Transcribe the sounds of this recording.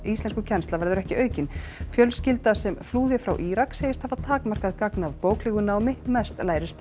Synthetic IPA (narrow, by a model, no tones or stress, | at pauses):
ist̪lɛnskʏcʰɛnst̪lavɛɾðʏɾɛhcɪœːɥcɪnfjœlscɪlt̪asɛmfluːðɪfɾawʔiːɾaksejɪst̪havaðt̪ʰaːkmar̥kaðkaknavpoːwklɪɣʏnawmɪmɛst̪laːjɾɪst̪